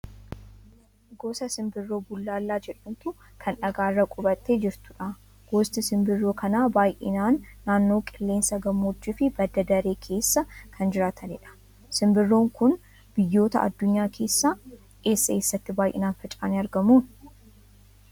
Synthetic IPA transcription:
ɡoːsɐsɪmbɪrːo̞ːbʊlːaːlːaːd͡ʒɛᶑunt̪ʊ | kʰɐnᶑɐɡaːrːɐkʼʊbɐt̪ːe̞ːd͡ʒɪɾt̪ʊ̥ᶑa | ɡ̥oːst̪ɪsɪmbɪrːo̞ːkʰɐnaːbaːjʔɪ̰naːnːaːnːo̞ːkʼɪlːe̞ːnsɐɡɐmːoːt͡ʃːɪfɪb̥ɐd̪ɐd̪ɐɾe̞ːkʰe̞ːsːɐkʰɐnd͡ʒɪɾaːt̪ʰɐnɪᶑɐ̥ | sɪmbɪrːo̞ːŋkʊn | b̥ɪjːo̞ːt̪ɐ̰ʔɐ̰d̪ːʊɲːaːkʰe̞ːsːaː | ʔe̞ːsːɐe̞ːsːɐt̪ːɪbaːjʔɪ̰naːnfɛt͡ʃʼa̰ːnɪɐɾɡɐmuːn

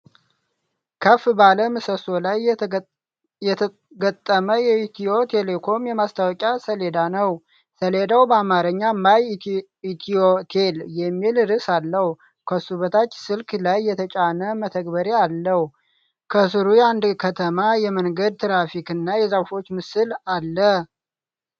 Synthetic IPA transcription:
kʰəfbaləmɨsəso̞laj | jɛt̪ʰ | ɡət̪ʼːəməjɛit̪ʰio̞t̪ʰe̞le̞kʰo̞mjɛmast̪ʰawɔkʼasəle̞d̪anəw | səle̞d̪awbəamaɾəɲːamaj | it̪ʰiot̪ʰeljɛmːilɨɾɨsalːəhu | kʰəsuβət̪ʰat͡ʃːsɨlklajːɛt̪ʰət͡ʃʼanəmət̪ʰəɡbəɾealːəhu | kʰəs̬ɨɾujɛand̪kʰət̪ʰəmajɛməŋɡəd̪̚t̪ʰɨɾafikɨnːajɛzəwfo̞t͡ʃːmɨsɨlalːə

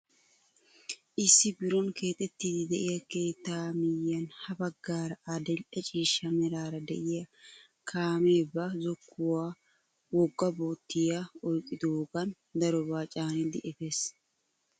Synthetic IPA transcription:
ʔɪsːɪbɪɾɔnke̞ːt̪ʼɛt̪ːiːd̪ɪd̪ɛʔɪjɐke̞ːt̪ːaːmɪjːɐnhɐbɐɡːaːɾɐʔɐd̪ɛlʔɐt͡ʃʼiːʃːɐmɛɾaːɾɐd̪ɛ̰ʔɪjɐ | kʰaːme̞ːbːɐzɔkʰːʊwaː | wɔɡːɐboːt̪ːɪjaɔjkʼːɪd̪oːɡɐn | d̪ɐɾɔbaːt͡ʃʼaːnɪd̪ɪʔɛfeːs

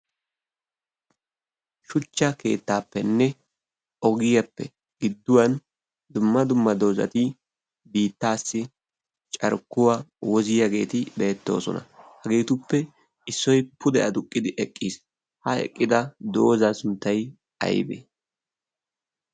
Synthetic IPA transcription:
ʃʊt͡ʃːɐke̞̰ːt̪ːaːpːɛnːɛ | ʔɔɡɪjɐpːɛ | ɡ̥ɪd̪ːʊwɐn | d̪ʊmːɐd̪ʊmːɐd̪o̞ːzɐ̰t̪ɪ | biːt̪ːaːsːɪ | t͡ʃʼɐ̰ɾkːʊwawɔzɪjɐɡe̞̰ːt̪ɪbe̞ːt̪ːo̞̰ːsɔ̰nɐ̰hɐɡe̞ːt̪ʊpːɛ | ɪsːɔjpʊd̪ɛɐd̪ʊkʼːɪd̪ɪʔɛkʼːiːs | hɐɛ̰kʼːɪd̪ɐd̪o̞ːzɐsʊnt̪ːɐj | ɐ̰jbḛː

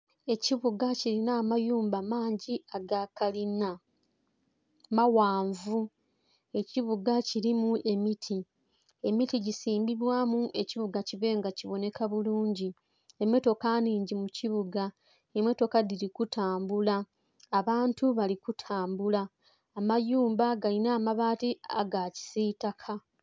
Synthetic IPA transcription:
e̞ciβuɡaciɾinaːmajuːmbamaːɲɟiaɡakalina | mawaːɱvu | e̞ciβuɡaciɾimuʔe̞mitʰi | e̞mitiɟisiːmbiβwaːmuʔe̞ciβuɡaciβe̞ːŋɡaciβo̞ne̞kʰaβuluːɲɟi | emweto̞kaniːɲɟimuciβuɡa | emwe̞to̞kadiɾikutʰaːmbulaː | βaːntuβalikutʰaːmbulaː | majuːmbaɡalinaːmaβaːtia̰ɡaci̥sitakʰa

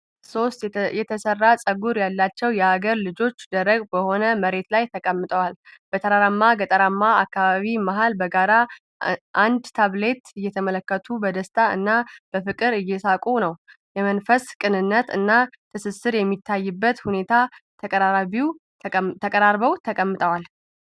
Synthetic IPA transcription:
so̞st̪jɛt̪ʰəsərːasʼəɡuɾjalːat͡ʃːɛwjɛaɡəɾlɨd͡ʒo̞t͡ʃːd̪əɾəɡbəho̞nəməɾe̞t̪lajt̪ʰəkʼəmːɨt̪ʼəwalb̥ət̪ʰʼəɾaɾamːaɡət̪ʼəɾamːaakːaβaβimaɦalbəɡaɾa | ʔand̪t̪ʰaβle̞t̪ɨjːɛt̪ʰəmələkːət̪ʰubəd̪əst̪ʼaɨ̰nːab̥əfɨkʼɨɾɨjːɛsakʼunəw | jɛmənfəskʼɨnɨnːət̪ɨnːat̪ʰɨsɨsɨɾjɛmːit̪ʰːajːɨbːət̪hune̞t̪ʰatʰʼaaβiw | t̪ʰəkʼəɾaɾbəwt̪ʰəkʼəmːɨt̪ʼəwal

